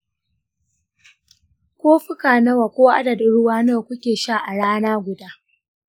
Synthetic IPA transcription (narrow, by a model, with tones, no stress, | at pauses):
kʷoː˦ɸʊ˦kaː˨nɐ˦waː˨kʷoː˦ʔa̰˦dɐ˨dʊ˨ɽʊ˦waː˦noː˦˨kʷʊ˦kʲeː˨ʃa˦˨ʔa˨ɽaː˦naː˦ɡʷʊ˨daː˦